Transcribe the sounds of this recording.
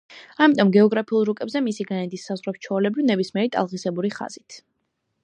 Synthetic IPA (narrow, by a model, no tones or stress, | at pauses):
amit̪ʼɔmɡɛɔɡɾapʰiulˠɾukʼɛbzɛmisiɡanɛd̪isːazʁwɾɛpt͡ʃʰɔːlɛbinɛbismiɛɾit̪ʼa̰lˠʁisɛbuɾiχa̰z̥it̪ʰ